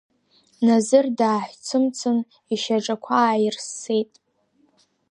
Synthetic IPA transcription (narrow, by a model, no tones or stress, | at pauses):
nazɨrdaːħʷt͡sʰɨmt͡sʰɨn | iʃaʈ͡ʂʼakʷʰaːjrsːejtʼ